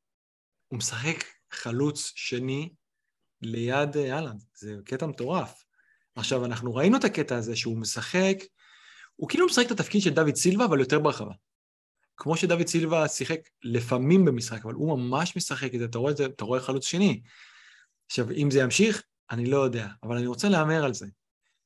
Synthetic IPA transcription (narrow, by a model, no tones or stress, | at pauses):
umesaχe̞k | χalut͡sʃe̞ni | le̞jad̪aland̪zeke̞tamet̪o̞ʁaf | aχʃavanaχnuʁainuet̪ake̞taːze̞ʃeumesaχe̞k | ukilumesaχekt̪atafkid̪ʃe̞ld̪avid̪̚t͡silvaːvaljo̞t̪e̞beʁeχava̰ | kmo̞ʃe̞d̪avid̪̚t͡silvasiχe̞k | lefamimbemisχakava̰lumamaʃme̞saχekizeat̪̬aʁoeet̪aʁoeχalut͡sʃe̞ni | aχʃavimzejamʃiχ | anilo̞jo̞d̪e̞aːvalaniʁo̞t͡se̞leame̞ʁalze̞